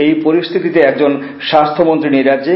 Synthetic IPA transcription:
ejpoɾist̪ʰit̪it̪eɛk̚d͡ʑon | ʃast̪ʰomont̪ɾiniɾae

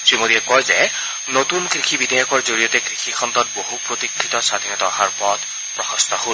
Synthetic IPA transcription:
simodiɛkɔjzɛ | not̪unkɹixʰibid̪ʱajɔkɔɹzoɹijɔtɛkɹixʰikʰɔnt̪ɔt̚bohupɹot̪ikʰːit̪ɔsad̪ʱinɔtɔɦaɹpɔd̪ | pɹɔxɔst̪ɔhol

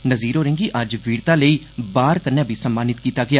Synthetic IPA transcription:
nəziːɾoːɾẽŋɡiːʔɐd͡ʒʋiːɽt̪ãːləiː | baːɾkəɾnjaːbʱiːsəmːaːnɪt̪kiːt̪aːɡɪaː

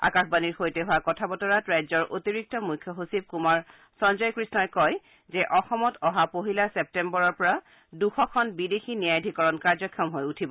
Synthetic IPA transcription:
a̰kaxbaniɹxojtɛɦʊwakɔtʰabɔtɔɹatɹajzɔɹʔotiɹik̚tɔmujkʰjɔɦosib̚kumaɹ | sɔnzɔjkɹisnaɹkɔj | zɛʔɔxɔmɔtʰɔɦapoɦilasɛp̚tɛmbɔɹɔɹpɔɹa | duxɔkʰɔnbidexinijajdʱikɔɹɔnkaɹzɔkʰjɔmɦojutʰibɔ

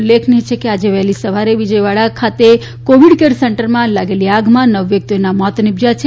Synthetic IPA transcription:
lːekʰniɦet͡ʃʰekead͡ʒeʋɛɦlisəʋaɾeʋid͡ʒəjʋaɭakʰat̪e | koʋiɽkeɾsɛɳʈəɾmãlaɡeliaɡmãnəʋjək̚t̪ionamɔt̪nibd͡ʒat͡ʃʰe

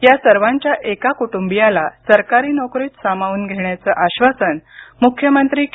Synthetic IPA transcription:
jasəɾʋaɲt͡ɕjaʔekakuʈumbijalasəɾkaɾiːnɔkɾiːt̪sam̤aʋuːnɡʱeɳjat͡səːʔaɕʋasənmukʰjəmənt̪ɾiːk

